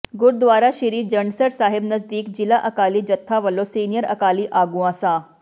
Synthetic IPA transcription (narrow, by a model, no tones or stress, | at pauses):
ɡʊɾd̪ʋaːɾaʃiɾiːɾd͡ʒɐɳɖsəɾsaːɦɪbnɐzd̪iːkd͡ʒɪlaʔɐkaːliːd͡ʒɐt̪ʰːaʋɐlosiːnijəɾɐ̰kaːliʔaːɡuãsaː